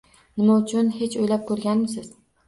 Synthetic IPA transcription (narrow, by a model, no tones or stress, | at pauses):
nɪmaʊt͡ʃʰʊnhe̞t͡ʃʰojlap̚kʰɵɾɡʲanmɪs̬ɪz̥